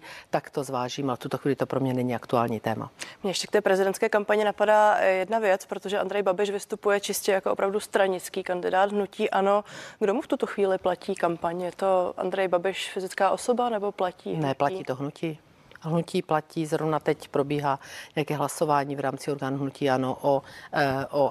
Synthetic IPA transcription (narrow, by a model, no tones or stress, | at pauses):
t̪akt̪ozvaːʒiːmalɛft̪ut̪oxʋiːlɪt̪opɾomɲɛnɛɲɪakt̪ua̰ːlɲiːt̪ɛːma̰mɲɛjɛʃcɛkt̪ɛːpɾɛzɪdɛnt̪skɛːkampaɲɪnapadaːjɛdnavjɛt͡spɾot̪oʒɛʔand̪ɾɛjbabɪʃvɪst̪upujɛt͡ʃɪscɛjakoopɾavdust̪ɾaɲɪt͡skiːkandɪdaːd̪ɦnuciːʔano̞ɡdomuft̪ut̪oxviːlɪplaciːkampaɲjɛt̪o̞ʔa̰nd̪ɾɛjbabɪʃfɪzɪt͡skaːʔo̞so̞banɛbo̞placiːnɛplaciːt̪oɦnucʰiː | ɦnuciːplaciːzɦɾovnat̪ɛcpɾobiːɦaːɲɛjakɛːɦlaso̞vaːɲiːvɾaːmt͡sɪoɾɡaːnuɦnuciːanoʔo | ʔo